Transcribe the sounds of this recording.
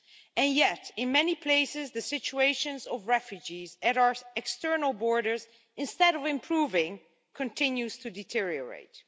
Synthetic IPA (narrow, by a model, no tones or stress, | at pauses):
ɨ̃njɛtɪ̃nmɛnipʰleɪsɪzðɨsɪt͡ʃueɪʃɨ̃nzɔvɹɛfjud͡ʒizɨɾaʊə˞ɛkstɜ˞nəl̩ˠbɔɹɾə˞z | ɪ̃nstɛɾɔvɪ̃mpʰɹuːvɪ̃ŋ | kʰə̃ntʰɪ̃njuz̥tʰɨdɪtʰɪɹiəɹḛɪt̚